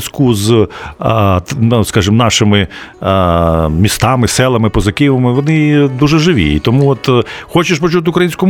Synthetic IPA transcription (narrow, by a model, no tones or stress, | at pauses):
skuz | skɑʒɪmnɑʃɪmɪ | mʲist̪ɑmɪsɛlˠɐmɪpɔzɐkɪʋɐmɪʋɔnɪd̪uʒɛʒɪʋʲḭḭt̪ɔmuɔt̪xɔt͡ʃɪʃpɔt͡ʃut̪̬ɪʊkɾɐjinʲsʲkʊm